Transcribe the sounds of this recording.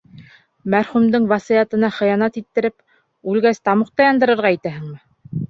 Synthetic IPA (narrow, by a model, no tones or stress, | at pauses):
mæɾχʉmd̪ɘɴvɑsijɑt̪ɤ̆nɑχɤ̆jɑnɑt̪it̪ːɘ̆ɾɘp | ʉlɡæst̪ɑmuqt̪ɑjɑnd̪ɤ̆ɾɤ̆ɾʁɑit̪æɦɘ̆ŋmɘ